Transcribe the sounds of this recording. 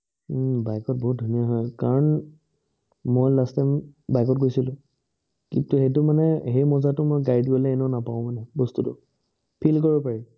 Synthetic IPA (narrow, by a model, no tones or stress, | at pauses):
bajkɔt̚bɔɦut̚dʱunijaɦɔjkaɹɔn | mojlastambajkɔtkojsilʊ̃ | kintuxejtʊmanɛhejmɔzatʊmojɡajdɡolɛːnɛnapaʊ̃manɛbɔstutʊ | pʰilkoɹibɔpaɹi